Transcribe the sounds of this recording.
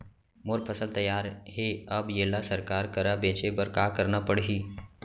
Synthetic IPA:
moɾpʰɐsəlt̪ɐjːaːɾɦeɐbjeːlasəɾkaːɾkɐɾabẽːt͡ʃebəɾkaːkɐɾnapəɽɦiː

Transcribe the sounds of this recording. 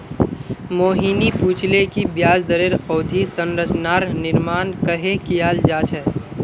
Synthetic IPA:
moːɦiːnipuːt͡ʃʰlekibjaːd͡ʒd̪əɾeɾɔːd̪ʱisə̃nɾət͡ʃʰnaːɾnɪɾmaːnkəɦekijaːld͡ʒaːt͡ʃɦɛː

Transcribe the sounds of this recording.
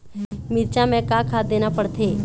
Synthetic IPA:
miɾt͡ʃamɛ̃kãkʰad̪enapəɽt̪ʰe

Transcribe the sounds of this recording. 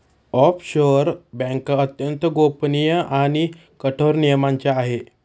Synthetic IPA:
ɔpɕoɾbɛ̃ŋkət̪jənt̪əɡopnijəʔañi | kəʈʰoɾnijmaɲt͡ɕaaɦe

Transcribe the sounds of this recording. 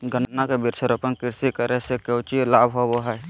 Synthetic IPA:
ɡənnːakebɪɾt͡ʃʰəɾopənkɪɾsikəɾɛsekeʊt͡ʃilaːbɦoboɦɛj

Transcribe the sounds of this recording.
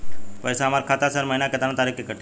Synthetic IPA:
pəjsamaɾkʰat̪asəɾməinaket̪anat̪aɾikikəʈʰ

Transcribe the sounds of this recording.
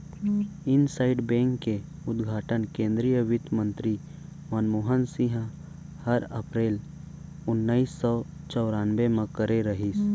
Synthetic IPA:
ɪnsaːɪɖbẽːŋkːe | ʊd̪ɡʱaːʈənkẽːnd̪ɾijəʋɪt̪mə̃nt̪ɾi | mənmoːɦənsĩɦə̃ | həɾə̰pɾeːl | ʊnːaisːɔt͡ʃɔʊɾaːnʋemẽkəɾeɾɐɦis

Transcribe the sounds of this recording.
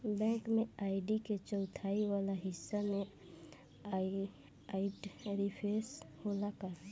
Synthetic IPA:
bɛ̃ːŋkmẽaːɪɖiket͡ʃəʊt̪ʰaːiwaːlaɦɪsːamẽ | aɪʈɾipʰesholaka

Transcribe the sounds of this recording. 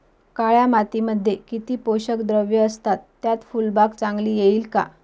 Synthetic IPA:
kaɭjamat̪iməd̪ʱːjekit̪iːpoɕəkd̪ɾəʋjəəst̪at̪ːjat̪fulbakt͡sãŋɡliːjeiːlka̰

